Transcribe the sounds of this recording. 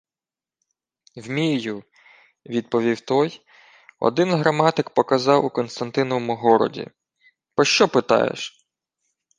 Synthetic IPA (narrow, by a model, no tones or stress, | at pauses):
wmʲiju | ʋʲid̪̚pɔʋʲiwt̪ɔj | ɔ̰d̪ɪnɦɾɐmɑt̪ɪkpɔkɐzɑwukɔnst̪ɐnt̪ɪnɔʋɔmʊɦɔɾɔ̰dʲḭ | pɔʃt͡ʃɔpɪt̪ɑ̰jḛʃ